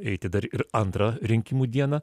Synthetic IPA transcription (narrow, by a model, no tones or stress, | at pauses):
ɛɪt̪ʲɪd̪ɐɾɪɾɐnt̪ɾɐɾʲɪŋʲkʲɪmuːd̪ʲiɛnɐ